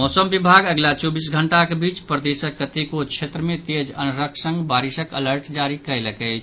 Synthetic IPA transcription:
mɔsəmbibʱaɡəɡlat͡ʃobisɡʱəɳʈakebit͡ʃpɾəd̪esəkːət̪ikot͡ʃʰet̪ɾəmẽt̪ed͡ʒə̰nɾəkʰsə̃ŋɡbaɾisəkə̰ləɾʈd͡ʒaɾikəjləkət͡ʃʰ

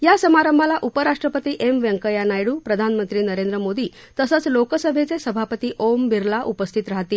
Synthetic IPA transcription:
jasəmaɾəmbʱalaʔupəɾaʂʈɾəpət̪iːʔemʋəŋkəjanajɽuːpɾəd̪ʱanmənt̪ɾiːnəɾend̪ɾəmod̪iː | t̪əsət͡slokəsəbʱet͡sesəbʱapət̪iːʔombiɾlaʔupəst̪ʰit̪ɾaɦt̪iː

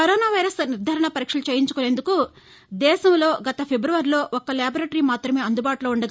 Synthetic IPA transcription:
ɐɾoːnaːʋɐjɾɐsniɾd̪ʱɐɾɐɳɐpɐɾiːkʂɐlut͡ʃeːjiɲt͡ʃu̥koːleːnd̪uku | d̪ɛːʃɐmlo̞ːɡɐt̪ɐpʰebɾuʋɐɾlo̞ːʔɔkːɐlaːbɾɐʈɐɾimaːt̪ɾɐme̞ːɐnd̪ubaːʈuloːuɳɖɐɡ

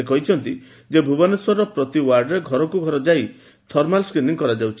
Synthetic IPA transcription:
ekɔɦit͡ʃʰɔnt̪i | d͡ʒebʱubaneswaɾɔpɾɔt̪iwaɾɖɾeɡʱɔɾɔkuɡʱɔɾɔd͡ʒaj | t̪ʰɔɾmalskɾiniŋkɔɾad͡ʒawt͡ʃʰi

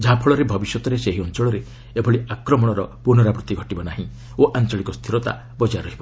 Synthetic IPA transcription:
d͡ʒɦapʰɔɭɔɾebʱɔbisjɔt̪ɔɾeseɦiɔnt͡ʃɔɭɔɾe | ebʱɔɭiakɾɔmɔɽ̃ɔɾɔpunɔɾapɾut̪iɡʱɔʈibɔnaɦĩ | oʔant͡ʃɔɭikɔst̪ʰiɾɔt̪a̰ | bɔd͡ʒaɾɔɦibɔ

